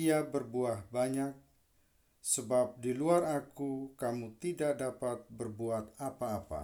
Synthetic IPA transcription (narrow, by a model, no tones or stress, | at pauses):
iabərbuahbaɲak̚ | səbap̚diluarakukamut̪idaʔdapat̪̚bərbuat̪̚apaːpa̰